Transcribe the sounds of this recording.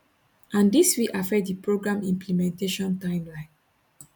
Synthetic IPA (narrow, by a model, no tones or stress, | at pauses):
ʔãndiswiʔafɛdipɹoɡɹãmĩmplimɛ̃nteʃɔ̃ntãɪ̃mlãɪ̃n